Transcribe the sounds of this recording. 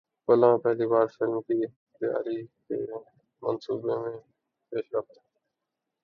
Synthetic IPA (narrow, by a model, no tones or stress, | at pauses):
pəlãːpɛɦliːbaːɾfɪlmt̪iː | t̪ɪja̰ːɾiːk̪ḛː | mənsuːbeːmẽː | peːʃɾəft̪a